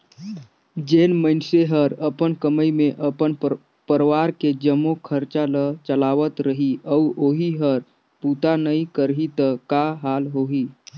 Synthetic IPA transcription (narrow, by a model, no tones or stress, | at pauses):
d͡ʒenməɪnseɦəɾəpənkəməimeʔəpən | pəɾʋaɾked͡ʒəmːokʰəɾt͡ʃalət͡ʃəlaʋət̪ɾəɦiʔəuʔoːɦiɦəɾ | put̪anəikəɾɦit̪əkaɦalɦoɦi